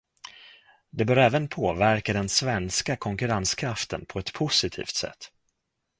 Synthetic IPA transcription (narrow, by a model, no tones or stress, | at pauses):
d̪ɛbœːɾɛːvənpʰoːvæɾkad̪ɛnsvɛnskakʰɔŋkɵɾanskʰɾaft̪ə̰npʰɔɛt̪pʰʊsɪt̪ʰḭːft̪sɛ̰t̪ː